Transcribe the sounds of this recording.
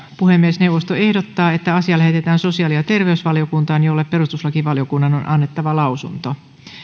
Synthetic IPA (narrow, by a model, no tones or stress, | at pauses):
puhemːiesneuwʋːˑost̪oehdot̪ːɑːet̪ːæɑsiɑlæhet̪et̪æːnso̞siɑːliɑt̪e̞rʋeysʋɑlijokunt̪ɑːnjolːeppe̞rust̪uslɑkiʋɑlijokunːɑnonʔɑnːet̪ːɑʋɑlɑusunt̪o